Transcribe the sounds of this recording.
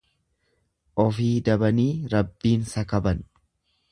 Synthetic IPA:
ʔɔfiːd̪ɐbɐniːɾɐbːiːnsɐkɐbɐn

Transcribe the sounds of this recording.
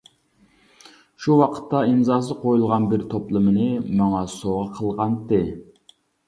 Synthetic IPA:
ʃuwɑqʰə̥t̪ʰːɑinzɑːs̬ɨqʰojulˠʁɑnbɪɾt̪ʰoplˠɨmɨnɨmɑŋɑsoʁəqʰəlˠʁɑnt̪ːɨ

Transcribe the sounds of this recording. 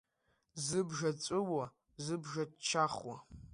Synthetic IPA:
zɨbʒɐt͡sʼɨwɐ | zɨbʒɐtt͡ʃʰaːχwɐ

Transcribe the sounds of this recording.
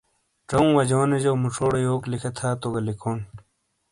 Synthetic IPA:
ʈ͡ʂɐũwɐd͡ʑoːned͡ʑowmuʈ͡ʂʰoːɽejoːklikʰet̪ʰaːt̪oɡɐlikʰoːn

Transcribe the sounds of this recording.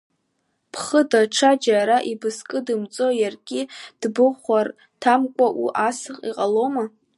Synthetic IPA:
pʰχədaʈ͡ʂʰad͡ʒaɾaʔibɨskʼɨdɨmt͡sʼo̞jarɡʲʼɪd̥bɨχʷar | tʰamkʷʼaʔṵʔasɨχʼiqʼaloma

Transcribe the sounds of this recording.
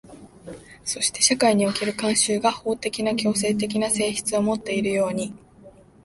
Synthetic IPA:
so̞ɕi̥t̪e̞ɕakaiɲ̟io̞ke̞ɾɯ̟kãɰ̃ɕɨːɡaho̞ːt̪e̞kʲinakʲo̞ːse̞ːt̪e̞k̬ʲinase̞ːçi̥t͡sɨo̞mo̞t̪ːe̞iɾɯ̟jo̞ːɲ̟i

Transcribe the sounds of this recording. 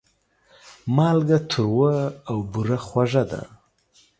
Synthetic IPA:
mɑlɡat̪ʰəɾwəawbuɾaxwaʐad̪a̰

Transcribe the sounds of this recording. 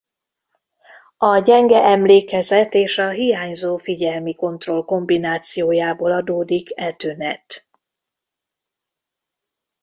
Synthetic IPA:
ɒɟɛŋɡɛʔɛmleːkɛzɛt̪eːʃɒɦijaːɲzoːfiɟɛlmiko̞nt̪ro̞lko̞mbinaːt̪sijoːjaːboːlɒd̪oːd̪ikɛlt̪ynɛt̪

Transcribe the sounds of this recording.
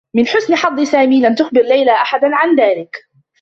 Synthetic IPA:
mɪnħʊsnɪħɑd̪ˤːɨsaːmiːlamt̪ʊxbɪɾlajlaʔaħad̪anʕanðaːlɪk

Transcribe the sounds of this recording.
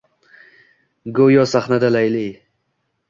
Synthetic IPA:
ɡojɒsaχnad̪alajlij

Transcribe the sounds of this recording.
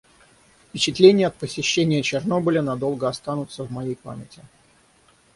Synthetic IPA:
fpʲɪt͡ɕɪt̪lʲenʲɪjəɐt̪̚pəsʲɪɕːenʲɪjət͡ɕɪrno̞bəlʲənɐd̪o̞lˠɡəɐst̪anʊt̪səvmɐjejpa̰mʲɪtʲɪ

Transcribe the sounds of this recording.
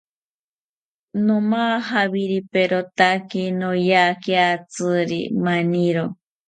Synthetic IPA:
nomaːɦaβiɾipeɾot̪akinojaːkiat͡sɨɾḭmaniɾo

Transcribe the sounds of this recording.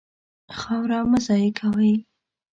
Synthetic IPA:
xɑwɾawmazɑjekʰawəj

